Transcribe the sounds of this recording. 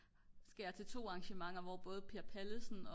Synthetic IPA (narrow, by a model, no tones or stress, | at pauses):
sɡ̥æjɑ̈ɪt͡sʰe̝lt͡sʰo̝̰ːɑ̈ŋɕəmɑ̈ŋ̰ɐʋɒːb̥ɔ̽ːð̞̩ˠpʰiɐpʰæləsn̩ɒ̽